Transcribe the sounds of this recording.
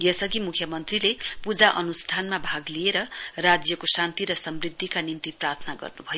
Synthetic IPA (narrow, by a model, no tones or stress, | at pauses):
jʌsʌɡimukʰjʌmʌnt̪rilepud͡zaʔʌnusʈʰanmabʱaɡlieɾʌrad͡zjʌkosant̪iɾʌsʌmrid̪ʱːikanimt̪iprat̪ʰʌnaɡʌ̰rnubʱʌjo